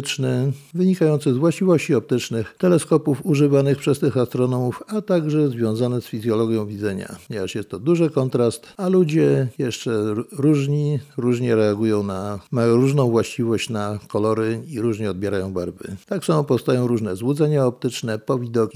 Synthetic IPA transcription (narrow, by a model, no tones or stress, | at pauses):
t͡ʂnɘvɘɲikajɔnt̪sɘzvwaɕt͡ɕivɔɕt͡ɕiɔp̚t̪ɘt͡ʂnɘxt̪ɛlɛskɔpufuʐɘvanɘxpʂɛst̪ɘxast̪ɾɔnɔmufat̪aɡʐɛzvʲjɔ̃w̃zanɛsfʲizʲjɔlɔɡʲjɔ̃w̃vʲid̪zɛɲa̰ɲɛvaʂjɛst̪ːɔd̪uʐɘkɔnt̪ɾast̪alud͡ʑɛjɛʂt͡ʂɛɾuʐɲiɾuʐɲɛɾɛaɡujɔ̃w̃namajɔ̃w̃ɾuʐnɔ̃w̃vwaɕt͡ɕivɔɕt͡ɕnakɔlɔɾɘiɾuʐɲɛɔd̪bjɛɾajɔ̃w̃baɾvɘ̰t̪aksamɔpɔfst̪ajɔ̃w̃ɾuʐnɛzwud̪zɛɲaɔpt̪ɘt͡ʂnɛpɔvʲid̪ɔkʲ